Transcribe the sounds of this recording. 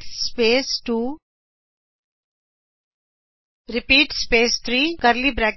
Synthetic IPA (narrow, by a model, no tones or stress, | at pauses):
speːsʈuː | ɾipiːʈspeːst̪ʰɾiːkɐɾlibɾak